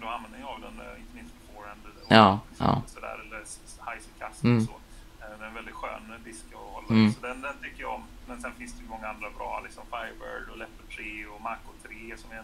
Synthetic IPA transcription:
d̪ɔmanvɛnd̪əjavd̪ɛ̰nɪnt̪əmɪnst̪əfoːɾɛnd̪əɔɑːʔɑ̰ːsɔd̪æ̰ːɾɛlːə | haɪsəkʰassɔ̰ː | d̪ɛɛnvɛld̪ɪt̪ɧø̰ːnd̪ɪskɔhɔlːasɔd̪ɛnd̪ɛnt̪ʰʏkːəja̰ɔm | mɛnsɛnfɪnsd̪ɛjʉmɔŋːaand̪ɾabɾɑ̰ːlɪksɔmfajbə̰ɖɔlɛpːəʈ̪ʰɾeːɔmaɾkʊt̪ʰɾeːsɔmɛ

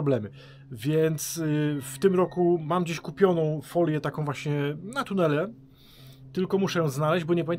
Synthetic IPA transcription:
ɔblɛmɘ | vʲjɛnt̪sft̪ɘmɾɔkumamd͡ʑeɕkupʲjɔnɔ̃w̃fɔlʲjɛt̪akɔ̃w̃vwaɕɲɛnat̪unɛlɛ | t̪ɘlkɔmuʂɛjɔ̃w̃znalɛʑd͡ʑbɔɲɛpavʲe

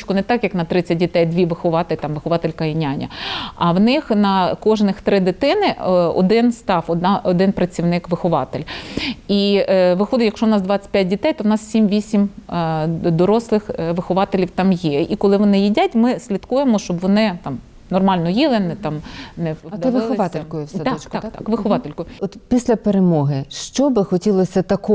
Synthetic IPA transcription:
t͡ʃkʊnɛt̪ɑkjɐknɐt̪ɾɪt͡sʲɐt̚ʲdʲit̪ɛjd̪ʲʋʲiʋɪxɔʋɑt̪ɪlʲt̪ɑmʋɪxɔʋɑt̪elʲkɐjinʲanʲɐ̰ɐwnɪxnɐkɔʒnɪxt̪ɾɪd̪ɪt̪ɪnɪɔ̰d̪ɪnst̪ɑfɔd̪nɑɔd̪ɪnpɾɐt͡sʲiwnɪkʋɪxɔʋɑ̰t̪ɪlʲiʋɪxɔd̪ɪtʲjɐkʃt͡ʃɔʋwnɑsd̪ʋɑt͡sʲɐ̥pʲjat̚ʲdʲit̪ɛjt̪ɔwnɑssʲimʋʲisʲim | d̪ɔɾɔslˠɪxʋɪxʊʋɑt̪elʲiwt̪ɑmjɛikɔlˠɪʋɔnɪjidʲatʲmɪsʲlʲit̪kujemɔʃt͡ʃɔbʋɔnɪt̪ɑm | nɔrmɑlʲnɔjilˠɪnɛt̪ɑmnɛd̪ɐʋɪxɔʋt̪elʲmkɔjʊsɛɑkt̪kt̪ɑkʋɪxɔʋɑt̪elʲkɔjʊɔt̪pʲisʲlʲɐpeɾemɔɦɪʃt͡ʃɔbɪxɔtʲilˠɔsʲɐt̪ɐkɔ

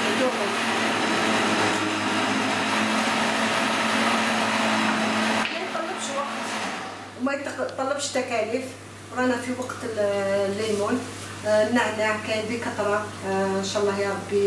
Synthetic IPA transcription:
d̪uməl | mæjt̪ˤːɑlːəbʃwɑqt̪ | mæt̪ˤːɑlːəbʃt̪ækælif | wɾænæfiwɑqt̪əllːijmun | naʕnakæjbikɑt̪ˤɾˤɑənʃæʔlˤːɑhjɑɾˤɑbːi

